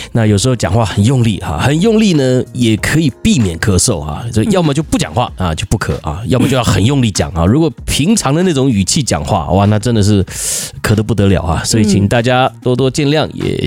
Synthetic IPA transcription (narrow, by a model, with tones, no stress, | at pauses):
na˥˩jo˨˩ʊʂɻ̩˧˥xo˥˧ʊt͡ɕjɑ̰˨˩ŋxwa˥˩xə˨˩njʊ˥˧ŋlḭ˥˩a̰˨xə˨˩njʊ˥˧ŋli˥˩nə˨jɛ˨˩kʰɤ˧˥i˨˩pi˥˩mjɛ˨˩nkʰɤ˥˩ʂo˥˩ʊxa̰˩ɔ˧˥jɑ˥˧ʊmə˨˧t͡ɕjo˥˧ʊpu˥˩t͡ɕjɑ̰˨˩ŋxwa̰˥˩ɐ˨t͡ɕjo˥˧ʊpu˥˩kʰɤ̰˨˩˦ɐ̰˩jɑ˥˧ʊmə˧˩t͡ɕo˥˧jɑ˥˩xə˨˩njʊ˥˧ŋli˥˩t͡ɕjɑ̰˨˩ŋa̰˨˩ɻu˧˥kwɔ˨˩pʰi˧˥ŋʈ͡ʂʰɑ˧˥ŋd̪ə˧na˥˩ʈ͡ʂʊ˧˥ŋy˨˩t͡ɕʰi˥˩t͡ɕjɑ̰˨˩ŋxwa̰˥˩˥wa˧˩na˥˩ʈ͡ʂə˥nd̪ə˨ʂ̬ɻ̩˥˩kʰɤ˨˩t̪p̬u˥˩t̪ɤ˧˥ljɑ˨˩ʊxa̰˧swɔ˧˥i˨˩t͡ɕʰi˨˩ŋt̪a˥˩t͡ɕja˥t̪wɔ˥t̪wɔ˥t͡ɕjɛ˥˧nljɑ˥˩ŋjɛ̰˨˩